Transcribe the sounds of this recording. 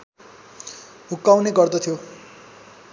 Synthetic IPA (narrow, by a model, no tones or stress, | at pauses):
ɦukːawneɡʌrd̪ʌt̪ʰijo